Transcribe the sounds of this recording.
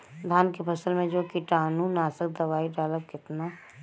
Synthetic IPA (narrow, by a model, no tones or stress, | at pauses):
d̪ʱaːnkepʰəsəlmẽd͡ʒoːkiʈaːnũnaːsək̚d̪ɐʋaːiɖaːləb̚kɪt̪na